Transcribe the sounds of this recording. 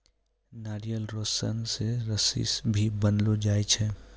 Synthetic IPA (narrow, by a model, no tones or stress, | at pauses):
naːɾijəlɾoːsə̰nseɾəsḭsbʱibənlod͡ʒaːet͡ʃʰɛ